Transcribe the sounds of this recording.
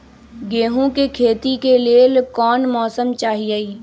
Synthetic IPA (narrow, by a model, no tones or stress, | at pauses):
ɡeːɦũkekʰeːt̪ikelielkɔːnmɔːsəmt͡ʃaːɦieiː